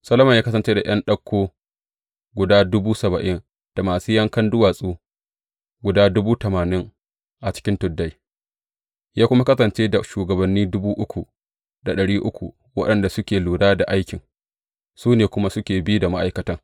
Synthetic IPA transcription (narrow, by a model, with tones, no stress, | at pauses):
sɐ˦lɐ˦mɐ˨jaː˦kɐ˦sɐ˨nt͡ʃeː˦da˨j̰ɐ˦nɗɐ˦kʷːoː˦ | ɡʷʊ˨daː˦dʊ˦buː˦sɐ˨bɐ˨ʔɪ˦n | d̥a˨maː˨suː˦jɐ˦ŋkɐ˦ndʊ˦waː˨sʼuː˦ | ɡʷʊ˨daː˦dʊ˦buː˦tɐ˨maː˨nɪ˦ŋ | ʔa˨t͡ʃɪ̥˦kʲɪ˦ntʊ˨dːa˦j | jaː˦kʷʊ˦ma˦kɐ˦sɐ˨nt͡ʃeː˦da˨ʃuː˨ɡɐ˨bɐ˨nːiː˦dʊ˦buː˦ʔʊ˦kʷu˨ | da˨ɗɐ˨ɽiː˦ʔʊ˦kʷṵ˨ | wɐ̰˦ɗɐ˨nda˨sʊ˦kʲeː˨luː˨daː˦da˨ʔa˦jkʲɪ˨ŋ | suː˦neː˨kʷʊ˦ma˦sʊ˦kʲeː˨bi˦da˨ma˦ʔa˨jkɐ˨˦tɐ˦ŋ